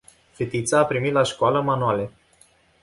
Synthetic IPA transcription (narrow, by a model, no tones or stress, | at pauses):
fet̪it̪saːpɾimit̪laʃkoaləmanuale